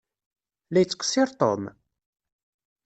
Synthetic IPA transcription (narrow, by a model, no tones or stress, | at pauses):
læjət͡sːə̥qsiɾˤt̪ˤo̰m